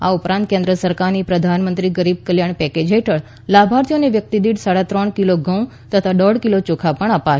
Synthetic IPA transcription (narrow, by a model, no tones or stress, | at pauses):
a̰upɾãnt̪̚kẽnd̪ɾəsəɾkaɾnipɾəd̪ʱanmənt̪ɾiɡəɾib̚kəljaɳpɛked͡ʒɦeʈəɭ | labʱaɾt̪ʰjoneʋjək̚t̪id̪iɽsaɽat̪ɾəɳkiloɡə̃w̃ | t̪ət̪ʰaɖɔɽkilot͡ʃokʰapəɳ̃apaʃ